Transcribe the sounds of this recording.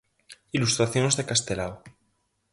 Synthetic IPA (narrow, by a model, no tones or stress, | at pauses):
ilust̪ɾaθjonzðekast̪elaw